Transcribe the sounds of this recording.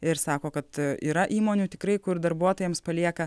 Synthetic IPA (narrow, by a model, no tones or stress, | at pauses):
ɪɾsɑːkoːkɐt̪iːɾɐʔiːmoːnʲuːt̪ʲɪkɾɐɪkʊɾd̪ɐɾbuɔt̪oːjɛmspɐlʲiɛkɐ